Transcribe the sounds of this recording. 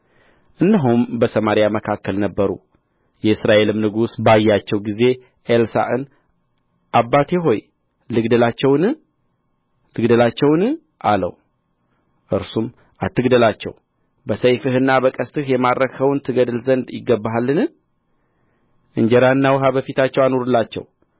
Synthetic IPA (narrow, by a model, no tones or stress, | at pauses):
ʔɨndəɦumbəsəmaɾijaməkʰakːəlnəbːəɾṵ | jɛɨsɾaʔe̞lɨmnɨɡusbajːat͡ʃːɛwɡize̞ | ʔelsa̰ʔɨn | ʔabːat̪ʰeɦo̞j | lɨɡd̪əlat͡ʃːɛwnɨ | lɨɡd̪əlat͡ʃːɛwnɨ | ʔalə̰w | ʔɨɾsum | ʔat̪ːɨɡd̪əlat͡ʃːɛ̰w | bəsəjfɨhɨnːabəkʼəst̪ʰɨhjɛmaɾɾəkʰəwnt̪ʰɨɡəd̪ɨlzənd̪jɪɡːəbːaɦalːɨnɨ | ʔɨɲd͡ʒɛɾanːawɦabəfit̪ʰat͡ʃːɛwanoɾɨlːat͡ʃːɛ̰w